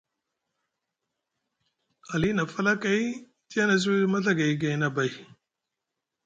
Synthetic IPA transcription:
a˨li˦na˨fa˦la˦ka˨˦j | tja˦na˨s̬i˦ma˦ɬa˦ɡa˨jɡa˨jna˨ba˨j

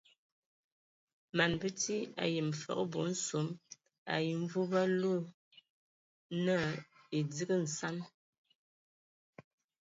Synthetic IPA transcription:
ma˨nbə˦ti˦a̰˨je˨m˨fɔ̰˨ʔbo̰˨˦n̩˦so˨˦m | a̰˨ji˨ɱ̩˦vu˦ba˦lo˦˨ | nə˦˨ | e˨d͡zi˦ɡə˦n̩˨sa˦m

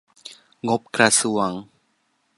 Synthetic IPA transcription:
ŋo˦p̚kɾa˧su˨wa˨ŋ

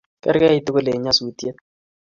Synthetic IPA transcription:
kɛ̰˦ɾkɛ˦i˦tʊ˦ko˦le˨ɲa˦smi˨tje˦t̚

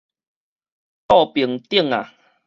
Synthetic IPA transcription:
t̪ɔ˥˧pi˨˩əŋt̪i˥˧˨ŋa̰˨

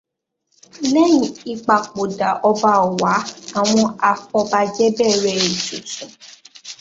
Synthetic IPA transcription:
lɛ˦jĩ˨i˧k͡pa˨k͡po˨da˨ʔɔ˧ba˧˨ɔ˨wa˨˦a˦˨w̃ɔ̃˧a˧fɔ˧ba˧d͡ʒɛ˦bɛː˦˨ɾɛ˦˨i˨so˨sɔ̃˨

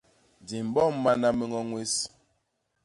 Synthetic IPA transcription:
di˨m̩˨bɔ˦˨m̩˦ma˦na˦mi˦ŋɔ˦ŋwe˦s

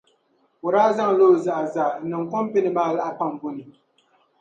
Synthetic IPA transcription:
ʊ˨ɾaː˦za˦ŋ˨loː˦˨za˨ʔzaː˨n̩˨nɨ˨ŋ˨kɔ˦m˦pi˦nɨ˨maː˦˨la˦ʔa˦˨pa˦m˨bʊ˦nɨ˨

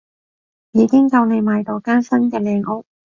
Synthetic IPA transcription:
jiː˨˧kɪ˥ŋkɐ˧wne˨˧jmaː˨˧jt̪o˨˧wkaː˥nsɐ˥nkɛː˧lɛː˧ŋʔo˥k̚

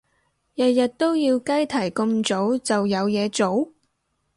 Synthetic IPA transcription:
jɐ˨t̚jɐ˨t̚t̪o˥wjiː˧wkɐ˥jt̪ʰɐ˨˩jkɵ˧mt͡so˨˥wt͡sɐ˨wjɐ˨˧wjɛː˨˧t͡so˨˥w

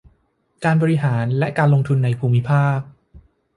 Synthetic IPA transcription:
kaː˧nbɔː˧ɾi˦˥ɦaː˩˦nlɛ˦˥kaː˧nlo˧ŋt̪ʰu˧nːa˧jpʰuː˧mːi˦˥pʰaː˥˩k̚

